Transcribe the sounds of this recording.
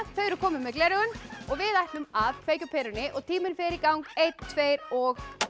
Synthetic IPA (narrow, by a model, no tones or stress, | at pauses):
ðfœɥɾʏkʰɔːmɪmɛðklɛːɾʏɣʏnɔɣvɪðajht̪nʏmavkʰv̥eːjcʏpʰɛːɾʏnɪʔɔɣt̪ʰiːmɪnfɪɾikawŋkejt̪t̪ʰvejɾɔɣ